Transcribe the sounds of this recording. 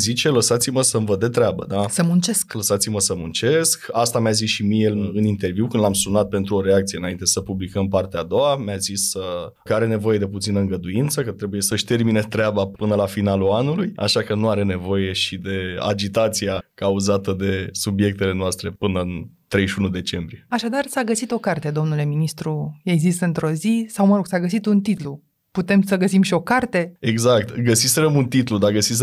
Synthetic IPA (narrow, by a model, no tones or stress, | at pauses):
zit͡ʃe̞ləsat̪siməsəmvəd̪et̪ɾeabə̰d̪asəmunt͡ʃeskləsat̪siməsəmunt͡ʃe̞skast̪amjazisʃimijelɨnint̪e̞rviwkɨnd̪lamsunat̪̚pe̞nt̪ɾuo̞ɾe̞ak̚t̪sijeɨnaint̪e̞səpublikəmpart̪ead̪o̞amjazisə | kəaɾe̞ne̞vo̞je̞d̪e̞put̪sinəɨŋɡəd̪uint̪səkət̪ɾe̞buje̞səɨʃt̪e̞rmine̞t̪ɾeabapɨnəlafinaluanuluja̰ʃakənuaɾe̞ne̞vo̞je̞ʃid̪e̞a̰d͡ʒit̪at̪siakauzat̪əd̪e̞subje̞k̚t̪ele̞noʊast̪ɾe̞pɨnəɨnt̪ɾe̞jʃʲunud̪e̞t͡ʃe̞mbɾijeaʃad̪arsaɡəsit̪o̞kart̪e̞d̪o̞mnule̞minist̪ɾujezisɨnt̪ɾo̞zisawməɾo̞ɡsaɡəs̬it̪unt̪it̪lu | put̪e̞msəɡəsimʃio̞kart̪e̞eɡzak̚t̪ɡəsiselemunt̪it̪lud̪aɡəsis